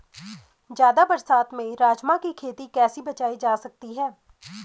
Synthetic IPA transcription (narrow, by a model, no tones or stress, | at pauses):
d͡ʒjaːd̪abɐɾsaːt̪mẽɾaːd͡ʒmãkikʰeːt̪ikɛːsibɐt͡ʃaːid͡ʒaːsɐk̚t̪iɦɛː